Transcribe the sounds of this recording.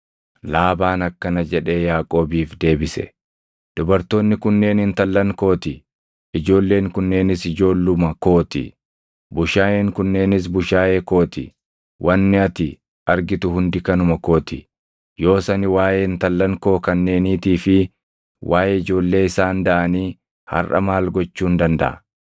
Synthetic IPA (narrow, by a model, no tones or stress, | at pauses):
laːbaːnɐkːɐnɐd͡ʒɛᶑe̞ːjaːkʼo̞ːbiːfd̪e̞ːbɪsɛ̰ | d̪̥ʊbɐɾt̪oːnːɪkʊnːe̞ːnɪnt̪ɐlːɐŋko̞ːt̪ɪ | ɪd͡ʒo̞ːlːe̞ːŋkʊnːe̞ːnɪsɪd͡ʒo̞ːlːʊmɐko̞ːt̪ɪ̰ | bʊʃaːjeːŋkʊnːe̞ːnɪs̬bʊʃaːʔeːko̞ːt̪ɪ̰ | wʔɐnːɪɐt̪ɪ | ɐɾɡɪt̪ʊɦʊnd̪ɪkɐnʊmɐko̞ːt̪ɪ̰ | jo̞ːsɐnɪwaːjeːnt̪ɐlːɐŋko̞ːkɐnːe̞ːniːt̪iːfɪ | wʔaːjeːɪd͡ʒo̞ːlːe̞ːɪsaːnd̪ɐʔɐniː | hɐ̰rʔɐ̰maːlɡɔt͡ʃːuːnd̪ɐnd̪ɐ̰ʔɐ̰